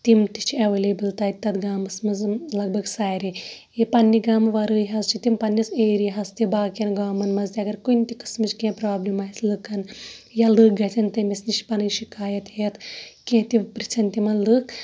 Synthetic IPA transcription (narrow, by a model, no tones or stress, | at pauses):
t̪imt̪it͡ʃʰiɐʋeːleːbɨlt̪ɐt̪ɐt̪ɡaːmɐsmɐzlɐɡ̚bʱɐɡsaːɾi | jipɐnːiɡaːmʋɐɾɨːɦɐzt͡ʃʰit̪impɐnːiseːɾiɦɐst̪ibaːkɐnɡaːmɐnmɐzt̪iɐɡɐɾkunʲt̪ʲikɐ̥smit͡ʃkẽːpɾaːblimɐɐslɨkɐnjɐlɨk̚ɡɐt̪ʲʰɐnt̪ɐmʲisnit͡ʃpɐnɨnʃikaːjɐt̪het̪ʰkẽːt̪iʋpɾit͡ʃʰɐnʲt̪imɐnlɨk